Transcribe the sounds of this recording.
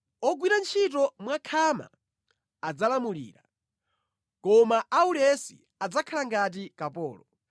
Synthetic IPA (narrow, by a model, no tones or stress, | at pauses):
ɔɡwiɾant͡ʃʰit̬ɔmwakʰama̰ | ad͡zalamulḭːɾa | kɔmaʔaulɛsi | ad͡zakʰalaŋɡat̬ikapɔ̰ːlɔ